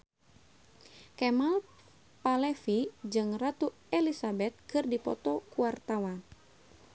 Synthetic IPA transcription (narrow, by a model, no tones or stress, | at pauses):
kɛmal | palɛfid͡ʒɨŋrat̪u | ɛlisabɛt̪̚kɨrdipɔ̰t̪ɔkuart̪awan